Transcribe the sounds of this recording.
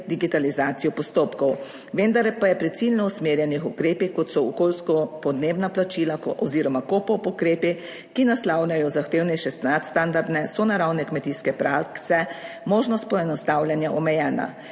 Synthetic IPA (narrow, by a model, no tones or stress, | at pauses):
d̪iɡit̪alizaːt̪sijɔpɔst̪oːpkɔw | ʋend̪aɾɛpajɛpɾɛt̪silnɔusmeːɾjɛnixukɾeːpikɔt̪sɔɔkolskɔpɔd̪neːbnaplat͡ʃiːlaɔziːɾɔmakopɔpukɾeːpi | kinaslawnajɔzaxt̪eːwnɛjʃɛst̪at̪st̪and̪aɾd̪nɛsɔnaɾawnɛkmɛt̪iskɛpɾak̪sɛ | moːʒnɔst̪̚pɔɛnɔst̪awljanjaʔɔmɛjɛːna̰